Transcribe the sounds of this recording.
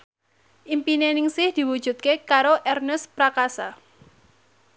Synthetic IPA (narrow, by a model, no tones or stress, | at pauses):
ʔimpinenɪŋsɪhd̪̥i̤wud̥ʒ̥ṳt̪̚kekaɾoʔɛrnəspɾakasa